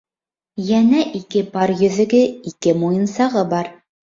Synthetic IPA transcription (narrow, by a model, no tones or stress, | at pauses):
jænæʔikɘpɑɾjɵ̆ðɘ̆ɡɘikɘmujɤ̆nsɑʁɤbɑɾ